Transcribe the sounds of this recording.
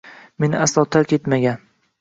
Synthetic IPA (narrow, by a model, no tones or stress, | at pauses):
me̞nɪaslɒt̪ʰaɾkʲʰe̞t̪maɡʲan